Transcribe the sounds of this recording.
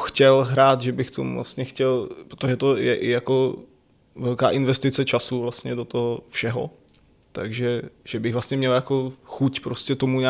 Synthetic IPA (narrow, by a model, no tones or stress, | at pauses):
xcɛlɦɾaːt̪ʒɛbɪxt̪omṵvla̰st̪ɲɛxcɛlpɾot̪oʒɛt̪o̞jɛʔɪjako | vɛlka̰ːʔɪnvɛst̪ɪt͡sɛt͡ʃasuvlast̪ɲɛdot̪oɦofʃɛɦo̰ | t̪aɡʒɛʒ̥ɛbɪɣvlastɲɛmɲɛljako̞xucpɾoscɛt̪o̞muɲaː